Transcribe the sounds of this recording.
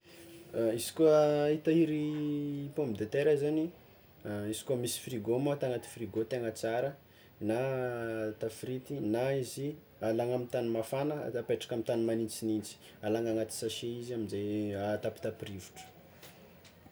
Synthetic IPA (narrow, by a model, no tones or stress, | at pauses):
izi̥kuəit̪aiɾipombid̪et̪eɾaizani | izi̥kuəmisi̥friɡomat̪aŋat̪i̥friɡot̪eŋət͡saɾə | na | t̪afɾit̪inaizi | alaŋamit̪animafanə̰t̪apeʈ͡ʂḁkamit̪animanint͡sinint͡si̥ | alaŋaŋat̪i̥saʃeiziamizajat̪api̥t̪apɾivu̥ʈ͡ʂə̥